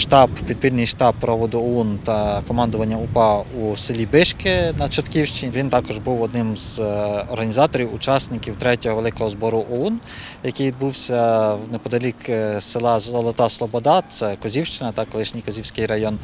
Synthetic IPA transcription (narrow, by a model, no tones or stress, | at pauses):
ʃt̪ɑbpʲid̪̚pʲilʲnɪjʃt̪ɑb̚ːɾɔʋɔd̪ʊɔɔnt̪ɐkɔmɑnd̪ʊʋɐnʲːɐupɑusɪlʲibɪʃkɪnɐt͡ʃɔt̪kʲiwʃt͡ʃɪnʲiʋʲint̪ɑkɔʒbuwɔd̪̚nɪmzɔɾɦɐnʲizɑt̪ɔɾʲiwʊt͡ʃɑsnɪkʲiwt̪ɾɛtʲɔɦɔʋelˠɪkɔɦɔzbɔɾʊʔɔɔn | jɐkɪjʋʲid̪̚buwsʲɐnɛpɔd̪ɐlʲiksɪlˠɑzɔlˠɔt̪ɑslˠɔbɔd̪ɑt̪sɛkɔzʲiwʃt͡ʃɪnɐt̪ɐkɔlˠɪʃnʲijkɔzʲiwsʲkɪjɾɐjɔn